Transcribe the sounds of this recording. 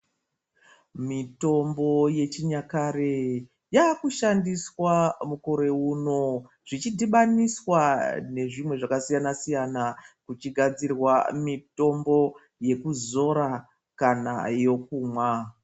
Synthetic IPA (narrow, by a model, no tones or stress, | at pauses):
mito̞mbo̞je̞t͡ʃiɲakaɾe | jaːkuʃandiswamuko̞ɾe̞uːno̞ | ʐ̥it͡ʃidʱiɓaniswane̞ʐimwe̞ʐakasijanasijanakut͡ʃiɡʱad͡zirwamito̞mbo̞ | je̞kuzo̞ɾa | kana̰jo̞k̚uːmwa